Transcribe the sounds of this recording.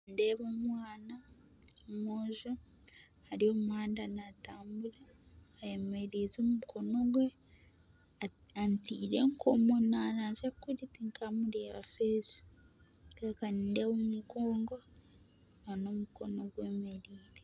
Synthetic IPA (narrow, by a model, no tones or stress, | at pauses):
ndeːβomwaːna | omoʒo | haɾiomuhaːndanataːmbulaː | jeme̞ɾizomumuko̞no̞ɡwe | antiːɾe̞ŋkʰomonanaːnzakiɾitiŋkʰamuɾeːβa̰feːzi̥ | kaakanindeβomuɡoːŋɡo | ano̞muko̞no̞ɡweːmeɾiːɾe